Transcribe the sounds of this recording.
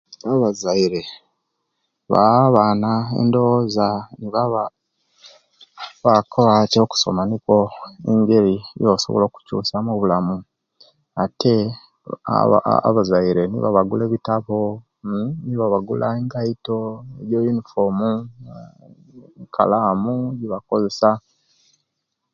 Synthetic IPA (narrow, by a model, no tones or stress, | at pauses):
aβazaiɾe̞ | βaβaːnaḛndo̞zaniβaβa | βakʰoβacoku̥so̞̰manikwo̞eɲɟe̞ɾijosoβolo̞ːku̥cṵːsamuβulamu | atʰe | a̰a̰a̰βazaiɾe̞nḭβa̰βaɡule̞ːβitaβo | niβaβaɡulʔaeŋɡaito̞eɾjojunifomu | kʰa̰laːmuɟiβako̞ze̞sa